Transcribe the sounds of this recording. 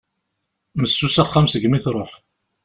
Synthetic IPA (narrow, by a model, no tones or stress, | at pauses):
məsːusaχːamsəɡmiθɾˤoħ